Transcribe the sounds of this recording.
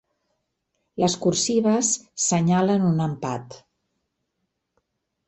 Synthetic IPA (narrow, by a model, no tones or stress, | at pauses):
ləskursiβəsːəɲalənunəmpa̰t̪